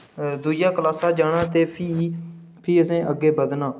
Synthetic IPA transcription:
d̪uːd͡ʒaːkəlaːsaːd͡ʒaːɽ̃ãːt̪eːpʰiː | pʰiːəsẽːʔəɡːeːbəd̪nãː

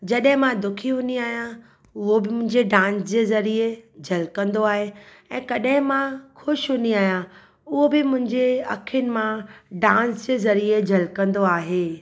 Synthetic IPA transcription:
d͡ʑɐɗɦɪ̃mãd̪ʊkʰiɦʊ̃niaːɦijã | ʊɦobɪmʊ̃ɦɪ̃ɲd͡ʑeɖãːnsd͡ʑeːzɐɾied͡ʑʱɐlkɐ̃nd̪oaːɦe | ɛ̃ːkɐɗɦɪ̃mãxʊʃɦʊniaːɦijã | ʊɦobɪmʊ̃ɦɪ̃ɲd͡ʑeɐkʰjʊnɪ̆mãɖãːnsd͡ʑeːzɐɾied͡ʑʱɐlkɐ̃nd̪oaːɦeː

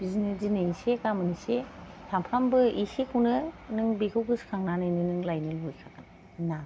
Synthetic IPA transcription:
b̥izinɯzinɯisekamɯnisetʰampʰambɯisikʰunɯnɯŋbikʰɯwɡɯskʰaŋnanajnɯnɯŋlajnɯlbɔjkʰakɯn | na

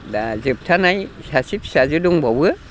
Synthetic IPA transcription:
dazɨp̚t̪ʰanajsasip̚sazuduŋbɔwɯ

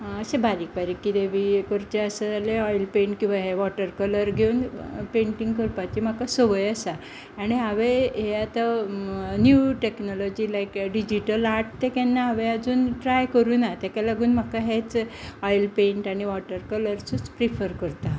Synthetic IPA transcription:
əsẽbaɾikbaɾikːid̪eʋikoɾt͡ɕeəsaaleɔjlpeɳʈkĩw̃ʋaɦeʋɔʈəɾkələɾɡʱeunpeɳʈĩŋɡkəɾpat̪im̤akasɔʋəjəsa | aɽ̃iɦaʋeɦeat̪a | njuʈeknɔlɔd͡ʑilajkɖid͡ʑiʈəlaɾʈt̪ekɛnːaaʋead͡zuːnʈɾajkəɾuːnat̪akalaɡuːnm̤akaɦet͡sɔjlpẽɳʈaɽ̃iʋɔʈəɾkələɾt͡sut͡spɾifʰəɾkəɾt̪a

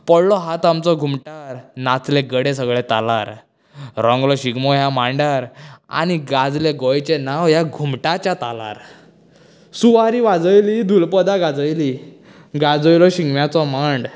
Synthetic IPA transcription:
pəɽlɔɦat̪amt͡sɔɡʱumʈaɾnat͡sleɡəɽesəɡɭet̪alaɾ | ɾɔ̃ŋɡlɔɕiɡmɔjamaɳɖaɾa̰ñiɡad͡zleɡɔjt͡ɕenawjaɡʱumʈat͡ɕjat̪ala̰ɾ | suʋaɾiʋad͡zəjlid̪ʱulpəd̪aɡad͡zəjli | ɡad͡zəjlɔɕiŋɡʋjat͡sɔmaɳɖ

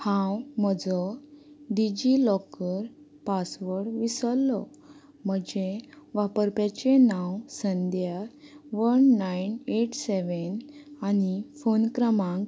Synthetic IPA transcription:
hãwməd͡zɔɖid͡ʑilɔkəɾ | pasʋəɽʋisəlːɔ | m̤əd͡ʑeʋapəɾpjat͡ɕenãwsənd̪jaʋənːajneʈseʋənanifonkɾəmãŋk

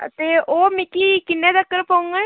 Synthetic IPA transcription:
t̪eoːmĩkikɪnːɛ̃d̪əkːəɾpaũŋɡɛː

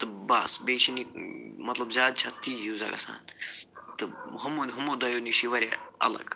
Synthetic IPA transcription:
t̪ɨbɐsbeːt͡ʃʰinimɐt̪lɐbzʲjaːd̪̚t͡ʃʰɐt̪iːjuːza̰ːɡɐ̰sa̰ːnt̪ɨɦumonɦumod̪ɐjoːniʃiʋɐɾʲa̰ɐ̰lɐ̰ɡ̥

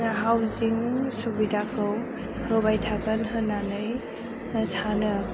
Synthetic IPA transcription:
aɦawziŋsubidakʰɯw | hɯbajtʰaɡənɦɯnanɯj | sanɯ

